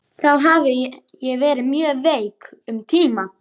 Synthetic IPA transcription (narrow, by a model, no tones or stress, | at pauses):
θawɦaːvɪ | jɛɣvɛːɾɪmjœːveːjkʏmt̪ʰiːma